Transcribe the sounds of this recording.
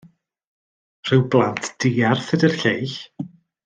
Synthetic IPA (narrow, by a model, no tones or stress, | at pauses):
r̥ɨwblˠantʰd̥iːarθədərɬejɬ